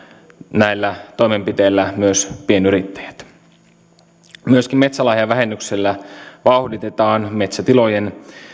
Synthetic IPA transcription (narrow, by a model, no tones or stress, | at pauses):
næilːæt̪o̞ime̞mpit̪eːlːæmyøspienyɾit̪ːæ̥jæ̥t̪ | myøskimme̞t̪sælɑːhjɑʋæɦenːykselːæʋɑuhdit̪et̪ɑːnme̞t̪sæt̪ilojen